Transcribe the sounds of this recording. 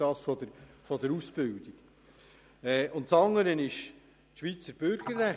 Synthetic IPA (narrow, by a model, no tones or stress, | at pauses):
ɑːsfɔd̪əfɔd̪əɾusb̥ɪld̥̪iɡ̥ | ɛːʔʊntt͡sɑŋːəɾənɪʃ | ʃʋit͡səɾb̥øɾɡ̥əːæ